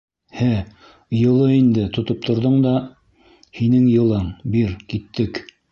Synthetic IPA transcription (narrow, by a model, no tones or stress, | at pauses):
hæ | jɤ̆lˠɤind̪ɘt̪ŏt̪op̚t̪ʰŏɾðoɴd̪ɑ | hinɘŋjɤ̆lˠɤɴbiɾkit̪ːɘk